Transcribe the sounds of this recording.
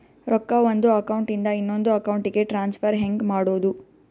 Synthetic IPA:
ɾɔkːɐʋond̪uɐkɐwuɳʈind̪ɐinːo̞nd̪uɐkɐwuɳʈiɡe̞ʈɾaːnspʰɐɾɦeŋɡmaːɽoːd̪u

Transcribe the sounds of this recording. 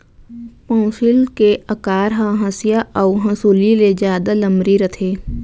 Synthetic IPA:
pɔ̃ːsɪlkeʔəkaːɾɦãɦɐ̃sijaʔɔʊɦɐ̃suliled͡ʒjaːd̪alɐ̃mɾiɾət̪ʰeː

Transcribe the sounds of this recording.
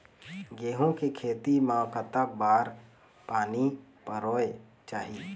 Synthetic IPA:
ɡeːɦõkekʰeːt̪imaːkət̪abaːɾ | paːnipəɾoːe | t͡ʃaːɦi

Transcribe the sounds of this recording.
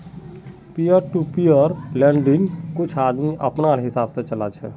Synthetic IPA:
pijəɾʈupijɔɾlɛ̃ɳɖinkʊt͡ʃʰaːd̪miʔəpnaɾɦɪsaːbset͡ʃəlat͡ʃʰɛ̰

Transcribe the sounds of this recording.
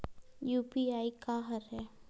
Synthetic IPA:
juːpiaːikaɦɐɾɦɛː

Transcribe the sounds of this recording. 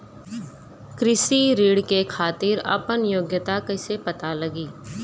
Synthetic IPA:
kɾɪsiɾiːɽkekʰaːt̪iːɾɐ̰pənjoːɡjət̪akɐːsepɐt̪alɐɡiː

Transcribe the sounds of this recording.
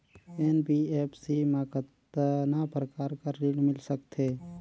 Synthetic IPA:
eːnbieːpʰsimakət̪napɾəkaːɾkaːiːɽmɪlsəkt̪ʰeː

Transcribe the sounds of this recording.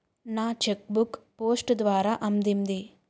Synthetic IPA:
naːt͡ʃek̚bukpoːsʈd̪ʋaːɾaːʔɐmd̪ind̪i

